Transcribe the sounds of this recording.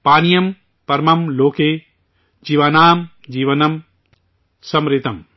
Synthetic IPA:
paːnijɐm | pɐɾmɐmloːkeː | d͡ʒiːʋanaːm | d͡ʒiːʋɐnɐm | sɐmɾit̪ɐm

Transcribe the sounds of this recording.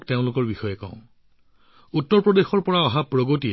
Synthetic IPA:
kteʊ̃lʊkɔɹbixɔjɛkɔ̰̃ʊ̃ | utːɔɹpɹɔdexɔɹpɔɹaɔɦapɹoɡotiɛ

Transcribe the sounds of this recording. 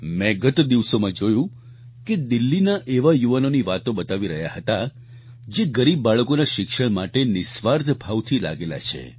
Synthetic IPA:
mɛ̃ɡət̪d̪iʋsomãd͡ʒojũ | ked̪ɪlːinaʔeʋajuʋanoniʋat̪obət̪aʋiɾəɦjahət̪a | d͡ʒeɡəɾibːaɭəkonaʃɪkʃəɳ̃maʈenɪsʋaɾd̪ʱbʱaʋt̪ʰila̰ɡela̰t͡ʃʰḛ

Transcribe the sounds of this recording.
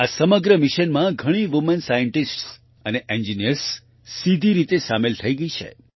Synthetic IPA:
asəməɡɾəmɪʃənmãɡʱəɽ̃iʋumənsajəɳʈisʈs | əneʔeɲd͡ʒinijəɾsː | id̪ʱiɾit̪esamelt̪ʰəiɡəit͡ʃʰḛ

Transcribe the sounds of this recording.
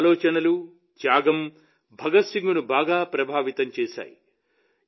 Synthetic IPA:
lɔːt͡ʃɐnɐlu | t͡ʃjaːɡɐm | bʱɐɡɐt̪siŋɡunubaːɡaːpɾɐbʱaːʋit̪ɐmt͡ʃeːʃa̰ːji

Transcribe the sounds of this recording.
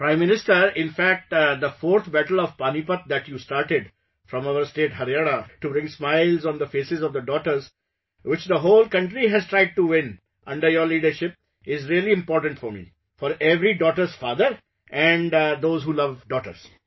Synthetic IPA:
pɾãɪ̃mːɪnɪsʈəɾɪ̃nfæk̚ʈd̪əfɔːɾt̪ʰbæʈəlɔʋpanipət̪̚d̪æʈjuːsʈaːɾʈɪɖ | fɾɔ̃maʊəɾsʈeːʈhəɾiaɾaʈubɾɪ̃ŋsmaɪlzɔ̃ːnd̪əfeːsɪzɔʋd̪əɖɔːʈəɾz | ʋɪt͡ʃd̪əɦoːlkʌ̃ɳʈɾiɦæzʈɾaɪɖ̚ʈuwɪ̃n | ʔʌ̃ɳɖəɾjɔɾliːɖəɾʃɪp̚ | ɪzɾiəliɪ̃mpɔːɾʈə̃ɳʈfɔɾmḭ | fɔːɾeʋɾiɖɔːʈəɾzfaːd̪əɾ | ʔɛ̃ɳɖd̪oːzɦuːlʌʋɖɔːʈə̰ɾz̥

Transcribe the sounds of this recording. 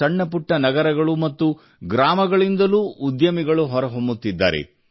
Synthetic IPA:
ɐɳːɐpuʈːɐnɐɡɐɾɐɡɐɭumɐt̪ːu | ɡɾaːmɐɡɐɭind̪ɐluːʔud̪jɐmiɡɐɭuɦɔɾɐɦombut̪ːid̪ːa̰ːɾḛ

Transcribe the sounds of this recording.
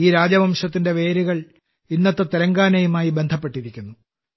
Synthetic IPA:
iːɾaːd͡ʑɐmɐmʂɐt̪̬ːinde̞ʋe̞ːɾuɣɐɭ | inːɐt̪ːɐt̪iɾɐŋɡaːnɐjumaːjibe̞nd̪ʱɐpːe̞ʈːiɾikʲːunːu

